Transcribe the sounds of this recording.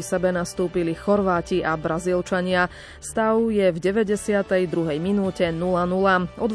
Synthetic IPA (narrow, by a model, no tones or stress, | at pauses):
isɛbɛnast̪uːpilixɔɾʋaːciʔabɾazilt͡ʃaɲɪa | st̪aʊjɛvɟɛʋɛɟɛsɪat̪ɛjd̪ɾuɦɛjminuːcɛnulanulaɔd̪